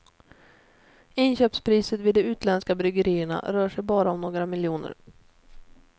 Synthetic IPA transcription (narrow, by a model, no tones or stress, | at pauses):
ɪnɕøːpspʰɾiːsət̪viːd̪ːɔʉ̟ːt̪ʰlɛnskabɾʏɡəɾiːəɳa̰ɾœːʂɛjbɑːɾaɔmnoːɡɾamɪljuːnə̰ɾ